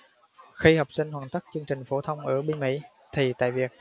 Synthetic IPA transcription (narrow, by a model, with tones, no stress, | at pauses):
xi˧hə˨˩wk͡p̚sï˧ŋ̟hwaː˨˩nt̪ə˦˥k̚t͡ɕɨ˧əŋt͡ɕï˨˩ŋ̟fo˧˦t̪ʰə˧wŋ͡mʔəː˧˩ɓi˧nmḭ˧˥ | t̪ʰi˨˩t̪a̰ː˧˨jvi˨˩ək̚